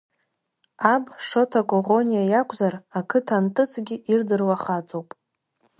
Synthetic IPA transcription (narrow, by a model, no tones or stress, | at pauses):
abʂo̞tʰakʷʼoʁo̞nijajakʷʰʼzarakʰɨtʰantʼɨt͡sʰʼɡʲɪʔirdɨrwaχat͡sʼowpʼ